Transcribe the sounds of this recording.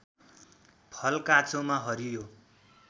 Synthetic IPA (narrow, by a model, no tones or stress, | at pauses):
pʰʌlkat͡somaɦʌɾijo